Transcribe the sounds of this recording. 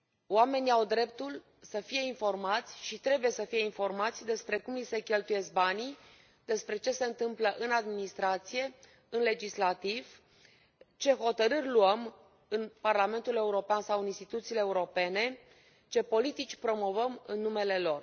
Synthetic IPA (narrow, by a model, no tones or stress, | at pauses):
oame̞niawd̪ɾe̞p̚t̪ul | səfije̞info̞rmat̪sʲʃit̪ɾe̞buje̞səfije̞info̞rmat̪sʲd̪e̞spɾe̞kumlise̞kʲe̞lt̪uje̞sk̚bani | d̪e̞spɾe̞t͡ʃe̞se̞ɨnt̪ɨmpləʔɨnad̪minist̪ɾat̪sije̞ | ɨnle̞d͡ʒislat̪iv | t͡ʃe̞ɦo̞t̪əɾɨrʲluəm | ɨnparlame̞nt̪ule̞uɾo̞peansawɨninst̪it̪ut̪siːleːuɾo̞pe̞ne̞ | t͡ʃe̞po̞lit̪it͡ʃʲpɾo̞mo̞vəmɨnːume̞le̞lo̞r